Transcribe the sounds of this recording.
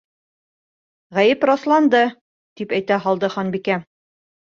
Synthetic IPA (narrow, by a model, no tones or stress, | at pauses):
ʁæjɘpɾɑslˠɑnd̪ɤ | t̪ipæjt̪æɦɒlˠd̪ɤχɒnbikæ